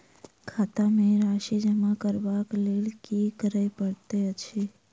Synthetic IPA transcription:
kʰat̪ameɾaʃid͡ʒəmakəɾbaklelkikəɾəjpəɽt̪eət͡ʃʰi

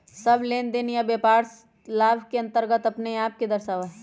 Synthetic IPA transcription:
sɐbleːnd̪enjabjeːpaːɾ | laːbʱkeɐ̃nt̪əɾɡət̪ɐpneaːp̚ked̪ɐɾʃaːʋaɦɛ

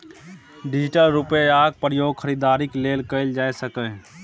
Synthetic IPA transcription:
ɖɪd͡ʒɪʈəlɾupeaːɡ̚pɾəjoːɡ̚kʰəɾid̪aːɾikleːlkəɪld͡ʒaːesəkə̃

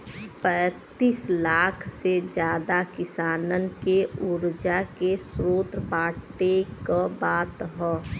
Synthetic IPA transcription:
pɛːt̪iːslaːkʰsed͡ʒjaːd̪akɪsaːnənkeuɾd͡ʒakesɾoːt̪ɾbaːʈekəbaːt̪ɦɛː

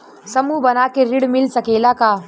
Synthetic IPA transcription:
sɐmuːbɐnaːkeɾɪɽmɪlsɐkeːlakaː

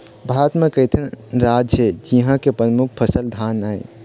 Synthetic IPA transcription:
bʱat̪mẽkəjt̪ʰənɾad͡ʒəd͡ʒiɦãkepɾəmukʰpʰəsəld̪ʱanaj

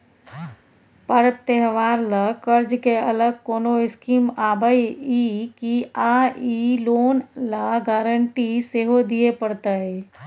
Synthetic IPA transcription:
pəɾəp̚t̪eɦʋaːɾləkəɾd͡ʒkeɐləɡ̚koːnoɪskiːmaːbəiikiaːiloːnlaɡaːɾəɳʈiseɦod̪iepəɽt̪əe

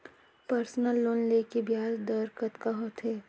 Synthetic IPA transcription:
pəɾsnəlːoːnleːkebjaːd͡ʒd̪əɾkət̪kaɦoːt̪ʰɦeː

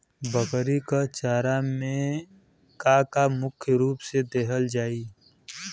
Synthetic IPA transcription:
bəkɾikat͡ʃaːɾamẽ | kakamʊkʰjəɾuːpsed̪eːɦəld͡ʒaːiː

